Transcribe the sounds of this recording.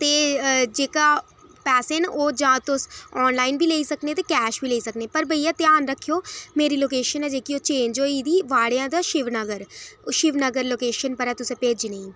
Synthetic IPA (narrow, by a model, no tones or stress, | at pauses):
t̪eːd͡ʒeːkaː | pɛːsenoːd͡ʒãːt̪ʊsɔːnlaːinbʱiːleːiːsəknẽːt̪eːkɛːʃbʱiːleːiːsəkneːpəɾbəijãːt̪jaːnɾəkʰːijoːmeːɾiːloːkeːʃənɛːd͡ʒeːkioːt͡ʃeːnd͡ʒoːiːd̪iːʋaːɽjãːd̪aːʃɪʋnəɡəɾʃɪʋnəɡəɾloːkeːʃənpəɾɛːt̪ʊsẽːpeːd͡ʒnəĩː